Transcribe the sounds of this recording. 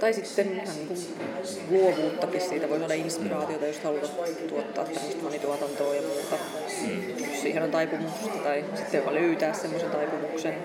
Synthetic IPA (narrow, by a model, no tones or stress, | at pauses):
t̪ɑisit̪ːenihɑnniːŋkun | luoʋuːt̪ːɑpissiːt̪æʋoisolːɑinspirɑːt̪iot̪ɑjost̪hɑlut̪ɑt̪t̪uot̪ːɑ̰ːt̪pɑrmist̪mɑnit̪uɑt̪ɑnt̪oːjɑmuːt̪ɑ | ossḭːhenont̪ɑipumukst̪ɑisi̥t̪ːejokɑløyt̪æːssemːosent̪ɑipumuksen